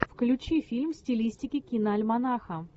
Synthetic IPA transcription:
fklʲʉt͡ɕifʲilʲmsʲtʲɪlʲisʲtʲɪkʲɪkʲinəɐlʲmɐnaxə

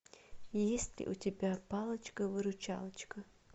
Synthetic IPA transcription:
jesʲtʲlʲɪ̰ʔutʲɪbʲapalˠət͡ʃkəvɨɾʊt͡ʃa̰lˠɐt͡ʃkə

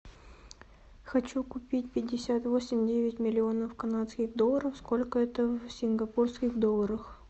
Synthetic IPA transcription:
xɐt͡ɕukʊpʲitʲpʲɪdʲːɪsʲat̪vosʲɪmʲdʲevʲɪtʲmʲɪlʲɪo̞nəfkɐnat̪skʲɪɣd̪o̞lˠːəɾəfsko̞lʲkəɛt̪əvsʲɪnɡɐporskʲɪɣd̪o̞lˠːəɾəx

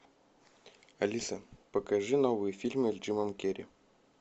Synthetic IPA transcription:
ɐlʲisɐpəkɐʐɨnovɨjəfʲilʲmɨelʲd͡ʒɨmɐmkʲeɾʲḭ

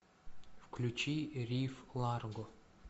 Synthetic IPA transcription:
fklʲut͡ʃiɾʲiflˠarɡo

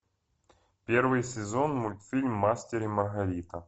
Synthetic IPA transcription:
pʲervɨjsʲɪzonmʊlʲt̪fʲilʲmːasʲtʲɪɾʲɪmɐrɣɐɾʲit̪ɐ

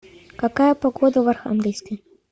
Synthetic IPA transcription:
kakajɐpaɡɔd̪ɐvɐrxa̰mɡʲilʲskəj

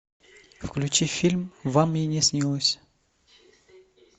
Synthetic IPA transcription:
fklʲʉt͡ɕifʲilʲmvamjɪnʲɪsʲnʲilˠəsʲ

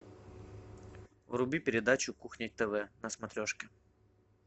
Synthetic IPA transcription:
vrʊbʲipʲɪɾʲɪd̪at͡ɕʊkuxnʲɪt̚ʲt̪ɛvɛnəsmɐt̪ɾʲoʂkʲɪ

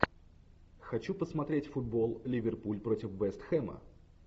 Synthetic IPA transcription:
xɐt͡ɕupəsmɐt̪ɾʲetʲfʊd̪̚bo̞lˠlʲɪvʲɪrpulʲpɾotʲɪfbɛst̪xɛmə̰

